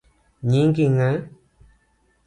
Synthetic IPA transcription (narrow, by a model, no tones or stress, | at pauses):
ɲĩŋkiŋã